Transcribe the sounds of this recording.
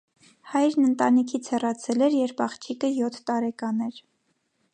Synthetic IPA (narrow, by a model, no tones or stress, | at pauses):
hɑjɾnənt̪ɑnikʰit͡sʰhɛrɑt͡sʰɛlɛɾjɛɾpɑχt͡ʃʰikəjɔt̪ʰt̪ɑɾɛkɑnɛɾ